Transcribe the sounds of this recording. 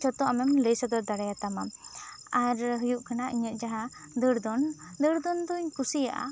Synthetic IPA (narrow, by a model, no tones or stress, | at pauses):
t͡ʃɔt̪ɔʔamɛmləjsɔd̪ɔɾd̪aɽɛjat̪ama | aɾɦəjuʔkanaʔiɲəʔ̚ˀd͡ʒaɦa | d̪əɾd̪ɔn | d̪əɾd̪ɔnd̪ɔiɲkusija̰ʔa̰